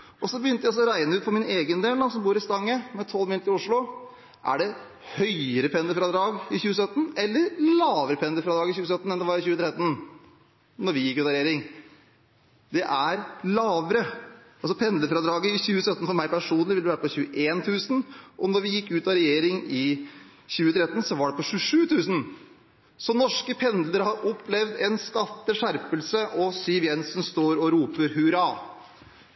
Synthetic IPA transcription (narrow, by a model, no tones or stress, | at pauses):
ɔsɔbəjʏnt̪əjæsɔɾæɪnəʉːt̪fɔɾmɪneːɡənd̪eːld̪ɑsɔmbuːɾɪst̪ɑŋːəmɛt̪ʰɔlːmɪlt̪ɪʊʂɭʊ | ʔæ̰ɖɛ | hœʏəɾəpʰɛnd̪əfɾɑd̪ɾɑːɡɪçʉːəsœt̪ːn̩ɛlːəɾlɑːʋəɾəpʰɛnd̪əfɾɑd̪ɾɑːɡɪçʉːəsœt̪ːn̩ɛnd̪ɛʋɑɾɪçʉːət̪ʰɾɛt̪ːn̩ | nɔɾʋɪjɪkːʉːt̪ɑɾɛjeːɾɪŋ | d̪ɛʔæɾlɑːʋəɾəɑls̬ɔpʰɛnd̪ləfɾɑd̪ɾɑːɡəɪçʉːəsœt̪ːən̩sɔmæɪɾpæʂuːnlɪʋɪld̪ɛʋæːɾəpɔçʉːəʔeːnt̪ʰʉːsənʔɔnɔɾʋɪjɪkːʉːt̪ɑɾɛjeːɾɪŋɪçʉːət̪ʰɾɛt̪ːən̩sɔʋɑɖɛpɔɕʉːʂʉːt̪ʰʉːsən̩ | sɔnɔʂkəpʰɛnd̪ləɾhɑɾʔɔpːlɛʋd̪ɛnskɑt̪ːəʂæɾpəlsəʔɔsyːʋjɛnsn̩st̪oːɾɔɾuːpəɾɦʉɾɑː